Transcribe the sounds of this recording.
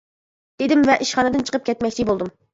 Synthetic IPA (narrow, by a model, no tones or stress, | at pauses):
d̪̥ed̪ɪmvɛʔiʃχɑnɨd̪ɨnt͡ʃʰə̥qʰəp̚kʲʰɛt̪mɛkʲt͡ʃʰibolˠd̪um